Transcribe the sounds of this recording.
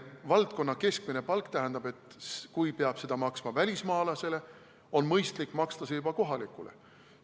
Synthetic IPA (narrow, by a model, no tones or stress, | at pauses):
vɑlt̪ko̞nːɑke̞skmine̞pɑlkt̪æɦɛnd̪̥ɑbe̞t̪ːˑkujpe̞ɑb̥se̞d̪ɑmɑksmɑvælʲismɑːlɑse̞le | o̞nmɤjst̪likːˑmɑkst̪ɑsejub̥ɑko̞ɦɑlikˑulḛ